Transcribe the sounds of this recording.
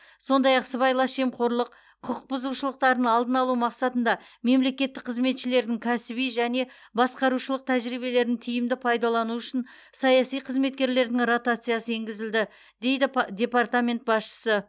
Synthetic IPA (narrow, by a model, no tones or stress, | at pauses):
so̞nd̪ɑjɑqsəβɑjlˠɑsʒe̞mqʰo̞ɾlˠəq | qʰʊq̚bʊzuʃəlˠəq̚t̪ɑɾnəɴɑlˠd̪ənɑlˠumɑqsɑt̪ənd̪ɑme̞mle̞kʲe̞t̪ːɪkqʰəzme̞t̪ʃɪle̞ɾd̪ɪŋkʲʰæsɪbijʒæne̞ | bɑsqɑɾuʃəlˠəq̚t̪ʰæʒɾibe̞le̞ɾnɪŋt̪ʰʏjɪmd̪ɪpʰɑjd̪ɑlˠɑnuʏʃɪn | sɑjɑsijqʰəzme̞t̪̚kʲe̞ɾle̞ɾd̪ɪŋrot̪at̪sɨjasəeŋɡʲɪzɪld̪ɪ | d̪e̞jd̪ɪd̪ʲe̞part̪amʲe̞nt̪̚bɑsʃə̥sə